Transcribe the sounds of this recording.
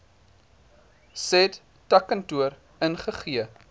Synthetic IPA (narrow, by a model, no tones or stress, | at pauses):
sɛt | tɐkəntuəɾ | ənχəχiə